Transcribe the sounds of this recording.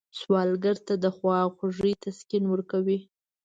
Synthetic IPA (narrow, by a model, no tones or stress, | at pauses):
swɑlɡaɾt̪ad̪əxwɑxaʐəjt̪ʰaskinwəɾkawi